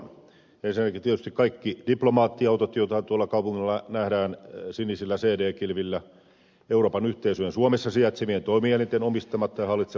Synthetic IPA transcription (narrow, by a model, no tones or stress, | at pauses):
ensinækit̪iet̪yst̪ikɑikːid̥iplomɑːt̪ːiɑɑout̪ot̪joˑt̪ɑt̪uɑlːˑɑkɑˑupuŋːilːɑnæhdæːnsinisilːæseːdeːkilʋilːæ | euroːpɑnyht̪eisyjensuomesːɑsiæt̪semient̪oˑimiælent̪enomist̪ɑmɑt̪ːɑjɑhɑlːˑit̪se